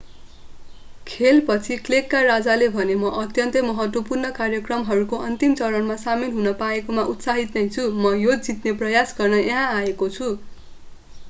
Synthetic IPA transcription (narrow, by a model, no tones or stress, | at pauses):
kʰelpʌt͡sʰiklekːarad͡zalebʱʌnemʌʔʌt̪jʌnt̪ʌmʌɦʌt̪wʌpurnʌkarjʌkrʌmɦʌɾukoʔʌnt̪imt͡sʌɾʌnmasamilɦunʌpaekomaʔut̪saɦit̪nʌjt͡sʰumʌjod͡zd͡zit̪neprʌjasɡʌrnʌẽɦãaekot͡sʰu